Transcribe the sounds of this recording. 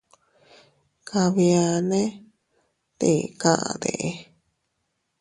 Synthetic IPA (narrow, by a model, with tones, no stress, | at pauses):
kʰa˧βi˧a˧nẽ˦ | t̪e˨kã˦ʔã̰˧d̪ḛ˨ʔe˧